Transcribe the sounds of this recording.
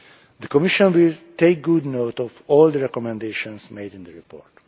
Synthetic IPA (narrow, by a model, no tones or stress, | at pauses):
d̪əkɔmiʃɔ̃nwilt̪eɪk̚ɡudnot̪ɔvɔld̪əɹɛkɔmɛ̃nd̪eʃɔ̃nsmeɪdĩnd̪əɹipʰɔ̰ːɹt